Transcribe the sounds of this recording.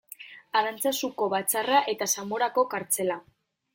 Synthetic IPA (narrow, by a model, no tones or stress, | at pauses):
aðant͡sasuko̞βat͡saraʔe̞t̪asamo̞ɾako̞kaɾt͡se̞la